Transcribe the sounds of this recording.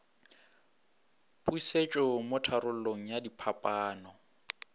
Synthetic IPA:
pʼuiset͡ʃʼɔmʊtʰaɾʊl̩loŋ̩jadipʰapʼaːnɔ

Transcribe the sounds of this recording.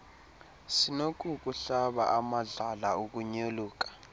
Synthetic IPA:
sinok̬ʼuk̬ʼuɬaɓa̰ʔamaɮalauk̬uɲoluːk̬ʼḁ

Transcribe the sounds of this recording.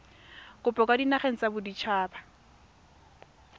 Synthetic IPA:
kʊpʼɔkʼadinaχeŋ̩t͡sabʊdit͡ʃʰaːba

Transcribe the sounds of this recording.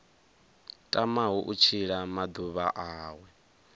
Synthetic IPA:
tʼamaɦuʔut͡ʃʰiɺamad̪uβaʔaːwɛ

